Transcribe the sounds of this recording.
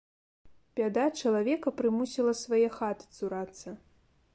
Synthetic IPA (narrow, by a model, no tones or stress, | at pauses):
pʲad̪at͡ʂɐlˠavʲɛkɐpɾɨmusʲilˠɐsvajɛxat̪ɨ̥t̪suɾat̪sːɐ